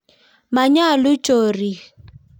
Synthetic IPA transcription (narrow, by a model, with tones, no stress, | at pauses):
ma˨ɲa˦˨lʊ˦t͡ʃʼoː˨ri˨